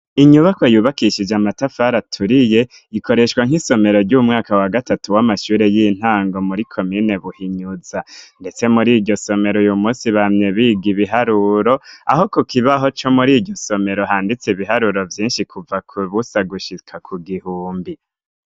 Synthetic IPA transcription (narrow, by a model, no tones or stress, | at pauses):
iɲuβako̞juːβakiʃid͡ʒamatafaɾatʰuɾije̞ | iko̞ɾe̞ʃwaŋ̥iso̞me̞ɾo̞ɾɟumŋaːkawaɡatatuwamaʃuːɾe̞jin̥haːŋɡo̞muɾikʰo̞miːne̞βuhiɲuzande̞t͡se̞muɾiːɟo̞so̞me̞ɾo̞jumuːsiβamɲeβiɡiβiɦaɾuɾo̞a̰ho̞kokʰiβaɦo̞t͡ʃo̞muɾiːdɟoso̞me̞ɾo̞ɦaːndit͡seβiɦaɾuɾo̞vjiːnʃikʰuvakuβusaɡuʃikʰakʰuɡihuːmbi